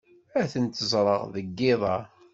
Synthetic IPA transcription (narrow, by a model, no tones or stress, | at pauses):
æθənt̪əzˤɾˤəʁðəɡːɪðˤɑ